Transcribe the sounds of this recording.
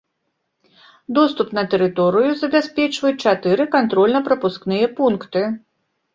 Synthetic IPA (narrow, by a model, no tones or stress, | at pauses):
d̪ɔst̪upnɐt̪ɛɾɨt̪ɔɾɨjuzɐbʲasʲpʲɛt͡ʂvɐjut͡ʂat̪ɨɾɨkant̪ɾɔlʲnɐpɾɐpusknɨjɐpunkt̪ɨ